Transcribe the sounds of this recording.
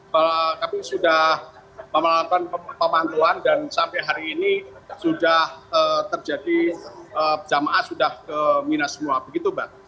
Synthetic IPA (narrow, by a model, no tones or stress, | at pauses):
kalkamisudah | məmalat̪anpəmant̪oandansampɛɦaɾiːnisudahəːt̪ərd͡ʒadiəd͡ʒamaʔasudahkəminasəmuabəɡit̪ubah